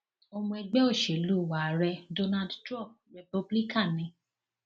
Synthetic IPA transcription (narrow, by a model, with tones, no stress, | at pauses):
o˧mũ˧ɛ˧ɡ͡bɛ˦o˦˨ʃe˨lu˦˨wa˨ɾɛ˧do˧na˧dtɾɔ̃˦˨p̚ɾɛ˨pu˧bli˦kã˦˨nĩ˨˦